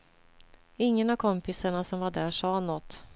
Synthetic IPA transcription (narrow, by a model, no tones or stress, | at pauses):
ɪŋːənavkʰɔmpɪsaɳasɔmvaɖæːʂɑːnɔt̪ː